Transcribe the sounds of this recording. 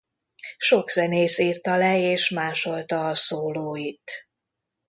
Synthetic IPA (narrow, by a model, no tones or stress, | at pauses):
ʃo̞ɡzɛneːsiːrt̪ɒlɛeːʃmaːʃo̞lt̪ɒːsoːloːit̪